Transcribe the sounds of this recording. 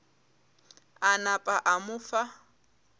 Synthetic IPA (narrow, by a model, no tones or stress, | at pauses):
anapʼaʔamʊfa